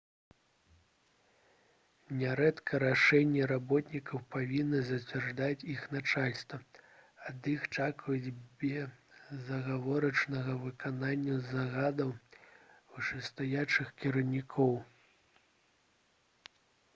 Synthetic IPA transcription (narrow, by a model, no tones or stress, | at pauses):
nʲɛɾɛt̪kʰɐɾaʂɛnʲːɛɾabɔt̪nʲikɐwpavʲinːɐzɐt͡sʲvʲɛrʐd̪at͡sʲixnat͡ʂalʲst̪vɐad̪ixt͡ʂakvjud͡zʲbʲɛzɐɣavɔɾɐt͡ʂnɐɣɐvɨkananʲːɐzaɣad̪ɐw | uʂɛst̪ajat͡ʂɨxkʲiɾɐwnʲikʰɔw